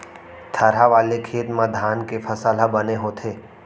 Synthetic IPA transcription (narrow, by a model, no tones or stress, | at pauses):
t̪ʰəɾaʋaːlekʰeːt̪mãd̪ʱaːnkefʰɐsaːlabəneɦoːt̪ʰeː